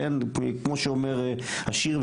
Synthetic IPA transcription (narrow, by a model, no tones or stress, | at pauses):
enkmoʃeomeʁhaʃiʁv